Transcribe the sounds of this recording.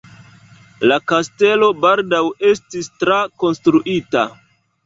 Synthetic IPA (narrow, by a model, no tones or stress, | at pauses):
lakaste̞lo̞baldawe̞stistɾako̞nstɾuʔita̰